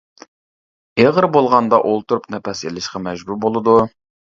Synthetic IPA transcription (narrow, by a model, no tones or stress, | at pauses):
eʁəɾbolˠʁɑnd̪ɑʔolˠt̪ʰuɾupnɛpɛselɪʃqɑmɛʒbuɾbolˠɨd̪u